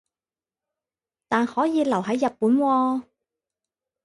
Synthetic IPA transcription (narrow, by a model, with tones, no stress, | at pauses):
t̪aː˨nhɔː˨˥jiː˨˧lɐ˨˩whɐ˨˥jːɐ˨t̚puː˨˥nwɔː˧